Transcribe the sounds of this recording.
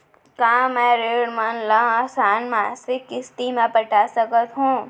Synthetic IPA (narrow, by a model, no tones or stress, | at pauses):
kãːmɛ̃ɾeːɽmənlãsaːnmaːsɪkɪst̪imẽpɐʈaːsəkət̪ɦũː